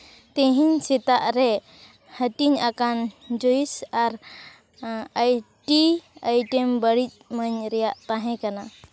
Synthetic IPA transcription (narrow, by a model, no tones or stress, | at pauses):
t̪ɛ̃ɦiɲsit̪aʔɾɛ | həʈiɲakand͡ʒoisaɾ | ajʈiajʈɛmbəɽic̚məɲɾɛjaʔt̪ãɦɛ̃kana